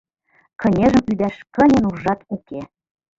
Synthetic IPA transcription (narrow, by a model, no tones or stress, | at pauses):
kɤ̆nʲeʒə̆mpyd̪æʃkə̆nʲə̆nuːɑt̪uke